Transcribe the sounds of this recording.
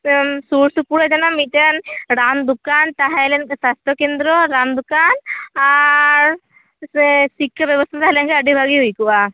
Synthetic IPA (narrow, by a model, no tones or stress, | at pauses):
suɾsupuɽɔd͡ʒɔnamit̪enɾand̪ukant̪aɦɛjlɛnsast̪ʰɔkend̪ɾɔɾand̪ukanaɾ | sikʰːjɔbjɔbɔst̪ʰat̪aɦalɛnkeəɖʱibʱaɡiɦujkuʔa